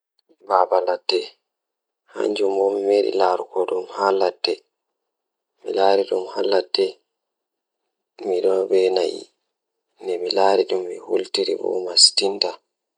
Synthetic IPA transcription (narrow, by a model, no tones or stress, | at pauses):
babalatːɛ | ha̰ɲd͡ʒumbɔmimeɾḭlaɾukɔɗumhalːatːɛ | mḭlaːɾiɗumhalːatːɛ | miɗɔnbɛna̰jḭ | nɛmilaːɾiɗumːihultiɾḭbɔ̰mastinta